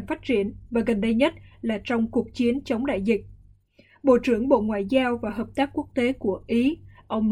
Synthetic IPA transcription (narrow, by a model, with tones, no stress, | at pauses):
nfaː˦˥t̚t͡ɕi˧˩ənvaː˨˩ɣə˨˩nɗə˧jɲə˦˥t̚laː˨˩t͡ɕɔ˧wŋ͡mku˨˩ək̚t͡ɕi˨˦ənt͡ɕə˨˦wŋ͡mɗa̰ː˧˨jzï˨˩k̚ | ɓo̰˧˨t͡ɕɨ˧˩əŋɓo̰˧˨ŋwa̰ː˧˨jzaː˧wvaː˨˩ɦəː˨˩p̚t̪aː˦˥k̚ku˦˥ək̚t̪e˨˦ku˧˩əʔi˨˦ʔə˧wŋ͡m